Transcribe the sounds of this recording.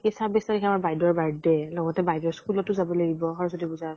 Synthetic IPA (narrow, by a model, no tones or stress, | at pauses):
kesabɛslakikʰɛamaɹbajdɔɹbaɹdɛlɔɡɔtɛbajdɔɹskulɔtːʊzabɔlaɡibɔxɔɹɔsɔdibuzaɹ